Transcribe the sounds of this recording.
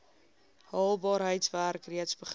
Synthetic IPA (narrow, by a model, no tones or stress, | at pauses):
hɑːlˠbɑːɾɦəjtsværkriətsbəχ